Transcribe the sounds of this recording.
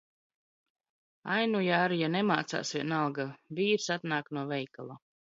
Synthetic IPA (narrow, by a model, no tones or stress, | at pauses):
ajnujaːɾijanemaːt̪sa̰ːsvʲiɛnalˠɡaviːɾsat̪naːknuɔvɛjkalˠa